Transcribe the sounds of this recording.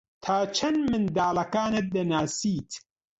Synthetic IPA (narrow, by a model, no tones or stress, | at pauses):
t̪ʰaːt͡ʃʰɐnmɨnd̪aːlɐkaːnɐt̪̚d̪ɐnaːsiːt̪